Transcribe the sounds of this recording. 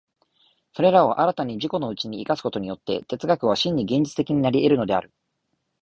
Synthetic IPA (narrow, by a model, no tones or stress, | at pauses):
so̞ɾe̞ɾao̞ʔaɾat̪aɲ̟iʑiko̞no̞ɯt͡ɕiɲ̟iːkasɨ̥ko̞t̪o̞ɲ̟ijo̞t̪ːe̞̰t̪e̞t͡sɨɡakɯ̟βaɕĩɲ̟ːiɡẽ̞ɲ̟d͡ʑi̥t͡sɨ̥t̪ekʲiɲ̟inaɾʲie̞ɾɯ̟no̞d̪e̞a̰ɾɯ̟